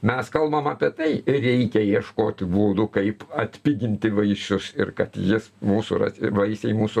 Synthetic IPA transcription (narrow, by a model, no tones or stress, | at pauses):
mʲɛskɐlˠbɐmɐːpʲiɛt̪ɐɪrʲɛɪkʲɛjiɛʃkoːt̪ʲbuːd̪ʊkɐɪpɐt̪ʲpʲiɡʲɪnʲt̪ʲɪʋɐɪʃʲʊsɪrkɐt̪jɪsmuːsʊɾɐ̰ʋɐɪsʲɛɪmuːsʊ